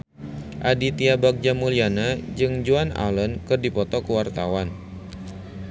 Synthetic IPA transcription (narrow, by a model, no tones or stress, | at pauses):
ʔadit̪iabak̚d͡ʒamulianad͡ʒɨŋd͡ʒuana̰lənkɨrdipɔt̪ɔkəwart̪a̰wan